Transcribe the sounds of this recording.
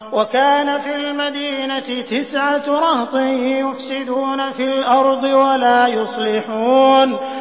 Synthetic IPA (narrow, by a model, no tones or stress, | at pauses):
wakaːnafiːlmad̪iːnat̪ɪt̪ɪsʕaɾˤɑht̪ˤɨɪjʊfsɪd̪uːnafilʔɑɾˤd̪ˤɨwalaːjʊsˤlɪħuːn